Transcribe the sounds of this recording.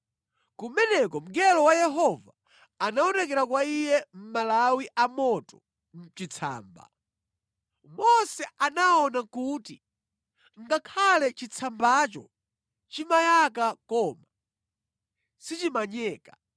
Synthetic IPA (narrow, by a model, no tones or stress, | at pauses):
kumɛnɛkɔm̩ɡɛlɔwajɛɦɔva̰ː | naɔnɛk̬ɛɾakwaijɛm̩malawiʔamɔtɔ | m̩t͡ʃit͡sʰa̰ːmba̰ | mɔsɛanaɔnakuːti | ŋɡakʰalɛt͡ʃit͡sʰambat͡ʃɔ̰ | t͡ʃimajak̬akɔma | sit͡ʃimaɲɛːka